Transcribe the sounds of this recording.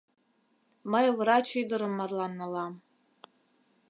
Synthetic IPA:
majawrat͡ʃʰidɨɾɨmːarlanalam

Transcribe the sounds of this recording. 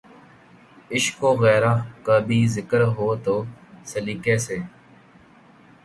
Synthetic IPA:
ɪʃkoːɣɛːɾaːkəːbʱiːzɪkəɾɦoːt̪oːsəliːkeːseː

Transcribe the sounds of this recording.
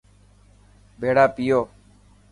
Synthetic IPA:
bʱeːɽaːpijoː

